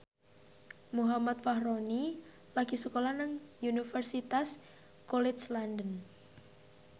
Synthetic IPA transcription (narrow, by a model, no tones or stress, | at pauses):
muɦamat̪̚fahɾoni | laɡ̥isukolanaŋjunifərsit̪as | kɔlɛslandən